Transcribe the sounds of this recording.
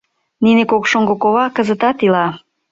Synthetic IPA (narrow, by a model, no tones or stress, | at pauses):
ninekokʃoŋɡokoβɑkəzət̪ɑt̪ilɑ